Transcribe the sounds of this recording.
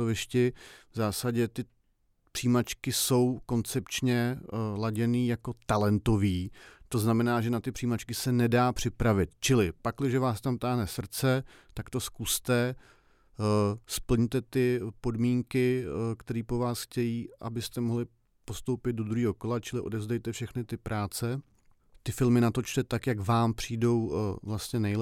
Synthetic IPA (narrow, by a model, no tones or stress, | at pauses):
ovɪʃcɪvzaːsaɟɛt̪ɪ | pr̥iːmat͡ʃkɪso̞wko̞nt͡sɛpt͡ʃɲɛlaɟɛniːjako̞t̪alɛnt̪o̞viːt̪o̞znamɛnaːʒɛnat̪ɪpr̥iːmat͡ʃkɪsɛnɛdaːpr̝̥ɪpɾavɪt̪t͡ʃɪlɪpaklɪʒɛvaːst̪amt̪aːɦnɛsr̩t͡sɛt̪akt̪o̞skust̪ɛ | spl̩ɲt̪ɛt̪ɪpo̞dmiːŋkɪkt̪ɛɾiːpo̞vaːsxcɛjiːʔa̰bɪst̪ɛmoɦlɪ | po̞st̪owpɪd̪̚dod̪ɾuɦiːɦo̞ko̞lat͡ʃɪlɪʔo̞dɛvzdɛjt̪ɛfʃɛxnɪt̪ɪpɾʔaːt͡sɛ | t̪ɪfɪlmɪnat̪o̞t͡ʃt̪ɛt̪akjakvaːmpr̝̥iːdo̞wvlast̪ɲɛnɛj